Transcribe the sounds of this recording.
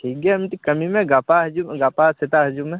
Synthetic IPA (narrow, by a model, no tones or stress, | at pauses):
ʈʰiːk̚ɡaɐmiʈ̪ikɐmimẽɡaːpaɦɐd͡ʒumɡaːpasɪt̪aɦɐd͡ʒumẽ